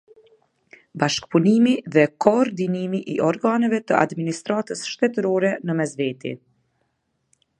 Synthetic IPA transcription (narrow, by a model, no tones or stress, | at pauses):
baʃkpunimiðɛkʰɔːɾd̪inimiʔiʔɔɾɡanɛvɛt̪ə̰ʔa̰d̪minist̪ɾat̪əsʃt̪ɛt̪əɾɔɾɛnəmɛzvɛt̪ḭ